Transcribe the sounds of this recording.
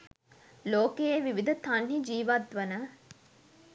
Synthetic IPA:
loːkejeʋiʋid̪ət̪anɦid͡ʒiːʋat̪ʋənə

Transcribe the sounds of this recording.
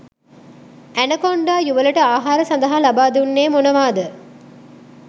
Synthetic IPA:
ænəkoɳɖaːjuʋələʈəaːɦaːɾəsand̪ɐɦalabaːd̪unːeːmonəʋaːd̪ə

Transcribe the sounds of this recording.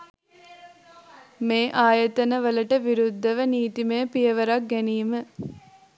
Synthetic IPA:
meːʔaːjət̪ənəʋələʈəʋiɾud̪ʱːəʋəniːt̪imejəpijəʋəɾak̚ɡæniːmə

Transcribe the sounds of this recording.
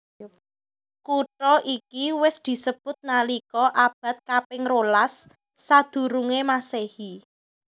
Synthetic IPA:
kuʈɔʔikiwɪsd̪̥i̤səb̥ʊ̤t̪̚nalikɔʔab̥a̤t̪̚kapɪŋrolasː | ad̪̥ṳɾuŋemasehi

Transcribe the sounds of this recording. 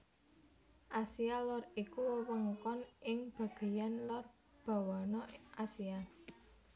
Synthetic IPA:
ʔasialɔrikuwəwəŋkɔnɪŋb̥a̤ɡ̥e̤janlʊr | b̥a̤wanɔʔasia

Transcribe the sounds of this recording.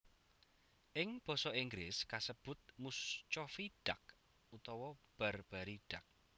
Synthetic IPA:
ʔɪŋb̥ɔ̤sɔiŋɡɾɪskasəb̥ʊt̪̚must͡ʃɔfiɖ̥ak̚ | ut̪ɔwɔb̥a̤rb̥a̤ɾiɖ̥a̤k̚

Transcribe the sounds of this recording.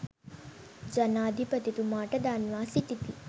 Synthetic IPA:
d͡ʒɐnaːd̪ʱipət̪it̪umaːʈɐd̪aːnʋaːsiʈ̪it̪i

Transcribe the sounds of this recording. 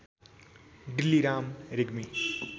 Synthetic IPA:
ɖilːiɾaːmɾeɡmi

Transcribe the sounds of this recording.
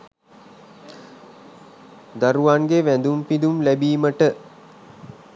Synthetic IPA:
d̪aɾuʋaŋɡeʋænd̪umpid̪umlæbiːməʈə

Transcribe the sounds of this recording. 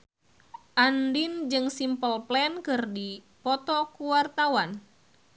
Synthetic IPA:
ʔandind͡ʒɨŋsimpəlplɛnkɨrdi | pɔt̪ɔkuwart̪awan

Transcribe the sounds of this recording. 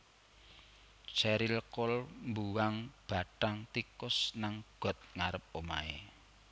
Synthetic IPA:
t͡ʃɛɾilkʊlmbuwaŋb̥a̤ʈaŋt̪ikʊsnaŋɡ̥ɔ̤t̪̚ŋaɾəp̚oma̰ḛ

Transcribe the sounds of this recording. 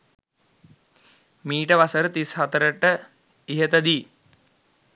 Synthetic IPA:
miːʈəʋasəɾət̪ishat̪əɾəʈə | iɦət̪əd̪iː

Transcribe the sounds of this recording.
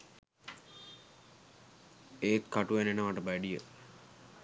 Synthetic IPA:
eːt̪kaʈuʋenenəʋaʈəbæɖijə

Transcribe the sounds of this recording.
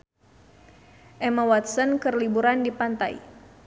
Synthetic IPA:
ʔɛmawat̪̚sənkɨrlibuɾandipant̪a̰j

